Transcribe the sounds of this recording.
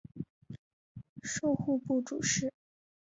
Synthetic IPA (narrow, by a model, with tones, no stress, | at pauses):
ʂo˥˧ʊxu˥˧pu˥˩ʈ͡ʂu˨˩ʂɻ̩˥˩